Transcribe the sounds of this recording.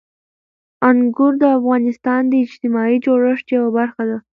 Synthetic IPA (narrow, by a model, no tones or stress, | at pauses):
aŋɡʊɾd̪əafɣɑnɪst̪ɑnd̪əɪd͡ʒt̪ɪmɑid͡ʒoɽəʂt̪jawabaɾxad̪a